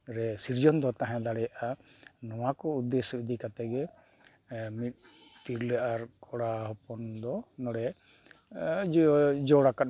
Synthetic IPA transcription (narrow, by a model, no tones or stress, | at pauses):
ɾɛsiɾd͡ʒɔnd̪ɔt̪aɦãd̪aɽɛjaʔanɔwakɔud̪ːɛsɔid̪ikat̪ɛɡɛ | mit̪̚ˀ | t̪iɾlɛʔaɾkʰɔɽaɦɔpɔnd̪ɔnɔɽɛ | d͡ʒɔɽakat̪